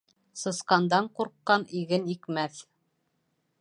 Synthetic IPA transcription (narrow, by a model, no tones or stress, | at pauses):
sɤ̆sqɑnd̪ɑɴquɾqːɑniɡɘnikmæθ